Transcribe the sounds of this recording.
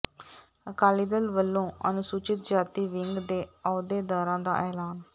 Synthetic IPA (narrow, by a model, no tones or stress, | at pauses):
əkaːliːd̪əlʋəlːõːə̰nʊsuːt͡ʃɪt̪̚d͡ʒaːt̪iːʋɪŋɡd̪eːɔːd̪eːd̪aːɾãːd̪a̰ːʔɛːlaːn